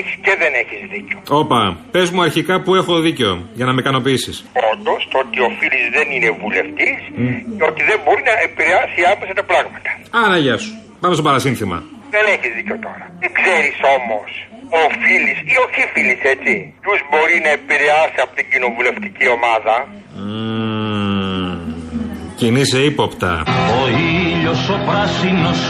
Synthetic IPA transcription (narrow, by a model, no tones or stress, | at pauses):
eçi̥sceðe̞ne̞çizðiceo̞o̞pɐpe̞zmuɐɾçikɐpue̞xoðiceo̰ʝɐnɐmekɐno̞piisisond̪o̞st̪oot̪io̞filizðe̞nine̞vule̞ft̪isceot̪iðembo̞ɾinɐepiɾeɐsiɐmesɐt̪ɐpɾɐɣmɐt̪ɐ̥ɐnɐʝɐsu̥ | pɐmest̪opɐɾɐsinθimɐ̰ðeneçizðiceot̪o̞ɾɐt̪ikse̞ɾiso̞mo̞sofilisio̞θifilise̞t͡si | uzbo̞ɾinɐepiɾe̞ɐsiɐpot̪iɲɟino̞vule̞ft̪icio̞mɐðɐ | ciniseipopt̪ɐ̰oiʎosopɾɐsinos